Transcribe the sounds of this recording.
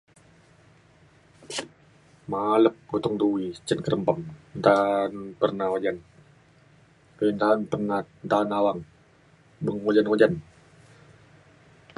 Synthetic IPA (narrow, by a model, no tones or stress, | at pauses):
maləp̚kut̪ʊŋd̪uwit͡ʃənkəɾəmpəmnt̪anpərnawad͡ʒan | kəint̪anpərnant̪anawaŋ | bəŋod͡ʒanŋod͡ʒan